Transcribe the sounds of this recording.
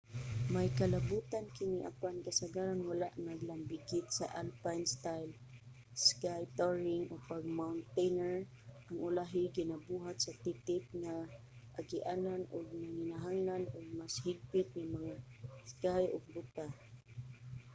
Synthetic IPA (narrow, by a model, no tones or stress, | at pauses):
majkalabut̪ankɪniʔa̰pankasaɡaɾanwalaʔnaɡlambɪɡɪt̪̚sa̰ʔalpajnst̪ajl | skajt̪oɹɪŋʔoɡpaɡ̚mawnt̪ejnɛɹ | ʔaŋʔʊlaɦɪɡɪnabuɦat̪sat̪it̪ɪp̚ŋa | ʔaɡɪʔaːnanʊɡ̚naŋɪnaɦaŋlanʊɡ̚mashɪɡ̚pɪt̪̚ŋamaŋaskajʊɡ̚bʊt̪a